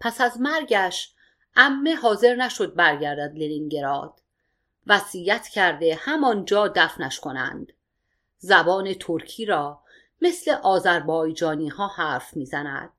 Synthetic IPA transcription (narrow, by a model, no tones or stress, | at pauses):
pʰæsæzmæɾɟæʃ | ʔæmːe̞hɒːze̞ɾnæʃo̞d̪̚bæɾɟæɾd̪æd̪leniŋɟe̞ɾɒːd̪̥ | væsiːjæt̪ʰcʰæɾd̪e̞hæmɒnd͡ʒɒːd̪æfnæʃkʰo̞næ̰nd̪̥ | zæbɒːne̞t̪ʰoɾcʰiːɾɒː | mesle̞ʔɒːzæɾbɒːjd͡ʒɒːniːhɒːhæːɾfmiːzænæ̰d̪̥̚